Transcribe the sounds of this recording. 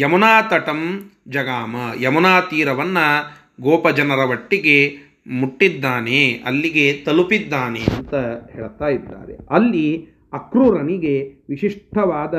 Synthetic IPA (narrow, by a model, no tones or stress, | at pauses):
jɐmɐnaːt̪ɐʈɐmd͡ʒɐɡaːmɐjɐmɐnaːt̪iːɾɐʋɐnːɐ | ɡɔːpɐd͡ʒɐnɐɾɐʋɐʈːiɡe | muʈːid̪ːaːneɐ̰lːiɡet̪ɐlupid̪ːaːneɐnt̪ɐɦeːɭt̪aːjid̪ːa̰ːɾḛɐlːi | ɐkɾuːɾɐniɡeʋiʃiʂʈʰɐʋaːd̪ɐ